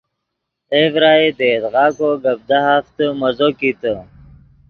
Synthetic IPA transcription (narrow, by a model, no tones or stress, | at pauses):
evɾaːid̪ed̪ɣɑːkoɡɐb̚d̪aɦaft̪əmɐzokit̪ə